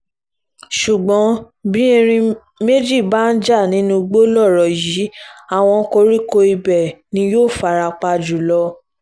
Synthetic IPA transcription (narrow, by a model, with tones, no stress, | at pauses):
ʃu˨ɡ͡bɔ̃˨˦ | bĩ˦e˧ɾ̃ĩ˧ | me˦d͡ʒi˦˨ba˦˨n̩˦d͡ʒa˦˨nĩ˨˦nũ˧ɡ͡bo˦lɔ˦˨ɾɔ˨ji˨˦a˦˨w̃ɔ̃˧˦ko˧ɾi˦ko˧i˧bɛ˨nĩ˧joː˦˨fa˨˧ɾa˧k͡pa˧d͡ʒu˨lɔ˧